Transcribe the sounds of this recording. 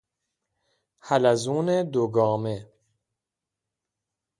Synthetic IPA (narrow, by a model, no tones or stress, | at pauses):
hælæzuːned̪oɡɒːme